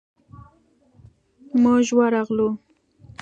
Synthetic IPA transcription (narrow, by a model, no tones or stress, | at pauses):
maʒwaɾɑɣlu